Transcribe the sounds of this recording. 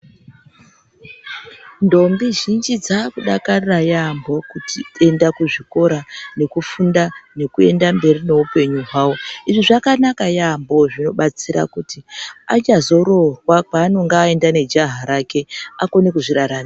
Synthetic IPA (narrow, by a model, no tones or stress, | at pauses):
ndo̞mbiʒind͡ʒid͡zakuɗakarirajambo̞kutie̞ndakuʐiko̞ɾane̞kufundane̞kue̞̰ndambe̞rine̞upe̞ɲuɦwaːwo̞iʐiʐakanakajambo̞ʐino̞ɓat͡siɾa̰kutia̰t͡ʃazo̞ɾo̞rwakaːno̞ŋɡaːe̞ndane̞d͡ʒaɦaɾake̞ako̞nekuʐiɾaɾaːna